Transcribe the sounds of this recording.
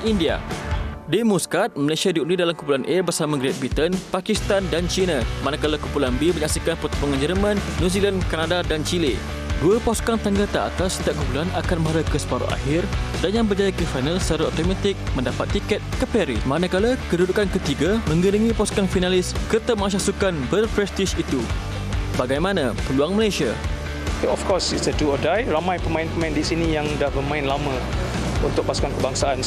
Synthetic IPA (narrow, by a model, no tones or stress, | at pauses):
india̰dimuskat̪̚məlasiadiunidalamkupulanʔebərsamaɡɾet̪̚bit̪ənpakist̪andant͡ʃinamanakalakumpulanbeməɲaksikanpət̪u̥puŋãnd͡ʒərmãnːũzilankanadadant͡ʃili | duapɔskaŋt̪aŋɡalt̪aa̰t̪asi̥t̪iaʔkupulanakanmaɾakəsə̥paɾo̰ʔa̰hɪrdanjaŋbərd͡ʒajakəfajnalsaɾaot̪omat̪ɪk̚mə̃ndapat̪ːikɛt̪̚kəpɛɾimãnakalakədudukankət̪iɡamə̃ŋɡənəŋĩpɔskaŋfinalɪskət̪əmãs̬asukanbərpɾɛst̪iʃit̪u | baɡajmãnãpəluaŋmə̃lajsia | ɔfkɔsitsəduɔdajramãjpəmãɪ̃npəmãɪ̃ndisinijaŋdahbəmãɪ̃nlamã | unt̪ʊk̚pasu̥kankəbaŋsaan